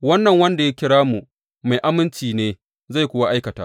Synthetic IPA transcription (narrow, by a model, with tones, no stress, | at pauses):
wɐ˦nːɐ˨ŋwɐ˦nda˨ja˦kʲɪ˦ɽaː˦mu˨ | ma˨jʔa˦mɪ˦nt͡ʃiː˨neː˦ | za˦˨jkʷʊː˦wa˦ʔa˦jkɐ˨taː˦